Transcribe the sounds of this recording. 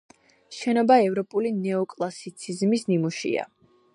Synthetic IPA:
ʃɛnɔbaɛvɾɔpʼulinɛɔkʼlˠasit̪sʰizmisnimuʃḭa̰

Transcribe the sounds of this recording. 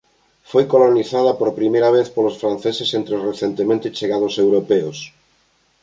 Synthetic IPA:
fojkoloniθað̞apoɾpɾimejɾaβ̞eθpolosfɾan̟θesesent̪ɾeosreθjent̪emẽnt̪et͡ʃeɣað̞osewɾopeos

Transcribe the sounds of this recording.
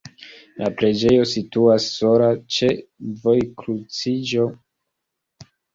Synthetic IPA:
lapɾe̞d͡ʒe̞jo̞situasːo̞lat͡ʃe̞vo̞jkɾut͡sid͡ʒo̞

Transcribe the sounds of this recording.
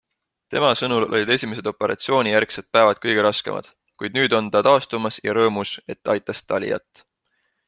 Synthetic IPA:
t̪e̞mɑsɤnulo̞̰lʲid̪̥e̞sʲime̞s̬e̞d̪̥o̞pe̞ɾʔɑ̰t̪sio̞ːnʲijærkset̪̚pæevɑd̪̥̚kɤjɡ̥e̞ɾɑske̞̰mʔɑ̰d̪̥ | kujd̪̥̚nyːd̪o̞nt̪ɑt̪ɑːst̪umɑsjɑ̰ɾɤːmuse̞t̪ːɑɑjt̪ːˑɑst̪ɑlʲḭjɑ̰t̪ːˑ

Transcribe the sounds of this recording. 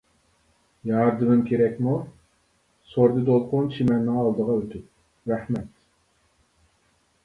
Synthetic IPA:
jɑɾd̪ɨmɪmkʲʰeɾɛkʲmu | soɾd̪ɨd̪olˠqʊnt͡ʃʰimɛnːɪŋɑlˠd̪əʁɑøt̪ʰyp̚ | ɾæhmɛt̪

